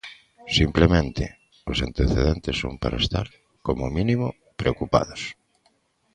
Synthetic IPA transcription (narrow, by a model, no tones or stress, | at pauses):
simplemẽnt̪ɪ | ʊsant̪eθeðent̪ɪso̰mpaɾaest̪a̰ɾ | komʊminimʊ | pɾeokupa̰ðʊs